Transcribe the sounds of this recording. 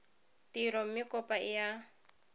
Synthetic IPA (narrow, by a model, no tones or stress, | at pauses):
tiɾɔm̩mɪkʼɔpʼaɪja